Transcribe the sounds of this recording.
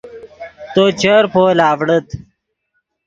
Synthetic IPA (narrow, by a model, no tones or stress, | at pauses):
t̪ot͡ɕəɾpʰoːlaːʋɽət̪